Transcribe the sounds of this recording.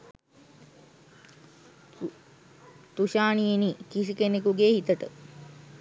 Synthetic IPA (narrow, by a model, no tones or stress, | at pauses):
t̪uʃaːnijenikisikenekuɡeːhit̪əʈə̰